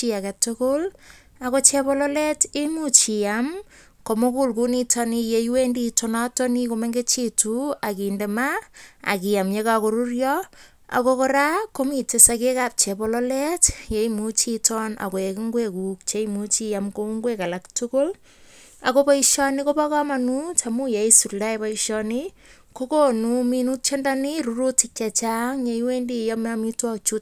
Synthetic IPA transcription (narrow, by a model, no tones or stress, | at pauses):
iakatʊkʊl | akot͡ʃepɔloletimut͡ʃiam | komokulkunitʰɔnijejwenditonatonikomeŋɡet͡ʃituakindemaa̰kijamjekakoɾurjɔ | a̰kokoɾakomitesakekap̚t͡ʃepɔloletjejmut͡ʃitɔna̰koekiŋɡwekuk̚t͡ʃejmut͡ʃijamkouŋɡwekalaktukʊl | akopaiʃɔnikopakamanut͡ʃamujejsuldajpaiʃɔni | kokonuminut̚t͡ʃendaniɾuɾutɪkt͡ʃat͡ʃaŋjejwendijamamitwɔt͡ʃut̚